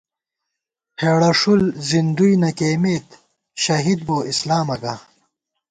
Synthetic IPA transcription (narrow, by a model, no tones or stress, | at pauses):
heːɽɐʂulzind̪ujnɐkeːmeːt̪ | ɕɐɦid̪̚boːʔislaːmɐɡa